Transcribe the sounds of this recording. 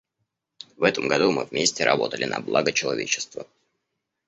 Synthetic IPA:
vɛt̪əmɡɐd̪umɨvmʲesʲtʲɪɾʔɐbo̞t̪əlʲɪnʔɐblˠaɡət͡ɕɪlˠɐvʲet͡ɕɪ̥st̪və

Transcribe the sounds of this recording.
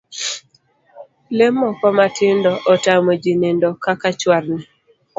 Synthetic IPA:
lemːɔkɔmatɪndɔʔɔtamod͡ʒinendɔkakat͡ʃwaɾnɪ

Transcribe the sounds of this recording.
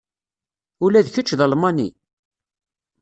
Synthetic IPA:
ʊlæðθət͡ʃːðəlmɑnḭ

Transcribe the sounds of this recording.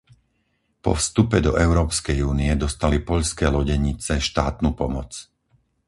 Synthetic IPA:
pɔ̰fst̪upɛd̪ɔʔɛʊɾɔːpskɛjuːniɛd̪ɔst̪alipɔʎskɛːlɔɟɛɲit͡sɛʃt̪aːt̪nuːpɔmɔt͡s

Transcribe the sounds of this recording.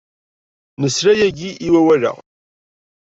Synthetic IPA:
nəsɾæjæɡiʔiwæwælæ̰

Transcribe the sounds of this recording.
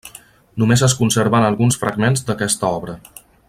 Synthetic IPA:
numezəs̬kunsəɾβənəlˠɣunsfɾə̰ɡmenzd̪əkɛst̪əɔβɾə

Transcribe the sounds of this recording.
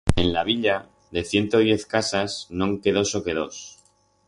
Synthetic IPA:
e̞nlaβ̞iʎa | ðe̞θje̞nt̪oðje̞θkasasnõŋke̞ðo̞so̞ke̞ð̞o̞s

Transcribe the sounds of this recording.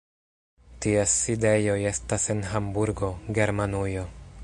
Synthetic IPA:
tiesːide̞jo̞je̞stase̞nɦambuɾɡo̞ɡe̞ɾmanujo̞

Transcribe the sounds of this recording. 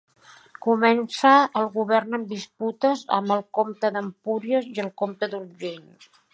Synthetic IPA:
kumɛnsəːlˠɣuβ̞ɛrnəmbisput̪əzə̰mbəlˠkomt̪əðəmpuɾiəziəlˠkomt̪əd̪uɾʒen

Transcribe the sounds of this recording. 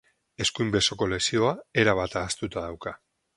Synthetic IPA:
e̞skujmbe̞so̞ko̞le̞sio̞ae̞ɾaβ̞at̪aːst̪ut̪að̞awka

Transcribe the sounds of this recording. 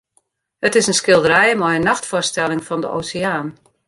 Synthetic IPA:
hətɪsənskɪlˠdəɾɛjəmɔjənːaxtfʊstɛlɪŋfɔndəʔo̰ːsɪaːn

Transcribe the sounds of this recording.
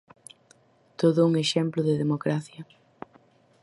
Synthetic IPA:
t̪oðʊuŋeʃɛmplʊðɪðemokɾaθjɐ

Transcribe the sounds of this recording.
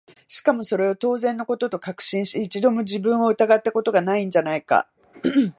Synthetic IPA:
ɕi̥kamo̞so̞ɾe̞o̞t̪o̞ːzẽ̞nːoko̞t̪o̞t̪o̞kakɯ̟̥ɕĩɰ̃ɕt̪eit͡ɕid̪o̞mo̞d͡ʑibɯ̟̃ɰ̃o̞ɯ̟t̪aɡat̪ːako̞t̪o̞ɡanaĩɲd͡ʑanaika̰

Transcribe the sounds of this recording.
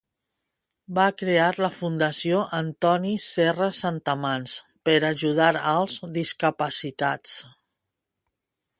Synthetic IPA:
bakɾeaɾləfund̪əsioʔənt̪ɔnisɛrəsant̪əmans | pəɾaʒuð̞aɾalˠzðiskəpəsit̪at͡s

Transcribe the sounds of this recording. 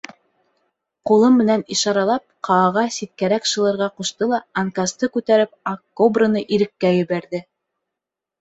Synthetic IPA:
qulˠɤmmɘ̆næniʃɑɾɑlˠɑp̚qɑːʁɑsit̪̚kæɾækʃɤ̆lˠɤ̆ɾʁɑquʃt̪ɤlˠɑɐŋkast̪ɤkʉt̪æɾɘp̚ɐkːobrɤ̆nɤʔiɾɘ̆kːæjɘ̆βæɾðɘ

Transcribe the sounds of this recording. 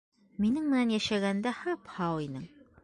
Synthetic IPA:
minɘŋmɘ̆nænjæʃæɡænd̪æhɑphɑwinɘŋ

